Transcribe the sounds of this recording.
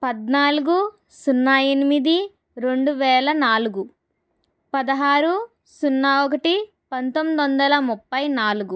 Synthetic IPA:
pɐd̪naːluɡu | sunːaenimid̪i | ɾe̞ɳɖuʋɛːlɐnaːluɡu | pɐd̪ɐɦaːɾu | sunːɐɔkɐʈi | pɐnt̪omːid̪ond̪ɐlɐmupːɐjnaːluɡu

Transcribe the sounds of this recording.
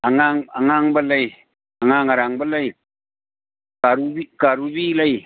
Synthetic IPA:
aŋaŋaŋaŋbalaj | aŋaŋaɾaŋbalaj | kaɾubikaɾubilaj

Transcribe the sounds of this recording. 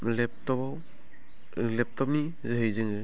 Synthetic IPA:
lɛp̚tɔbaw | lɛp̚tɔp̚ni | zɦɯjzɯŋɯ

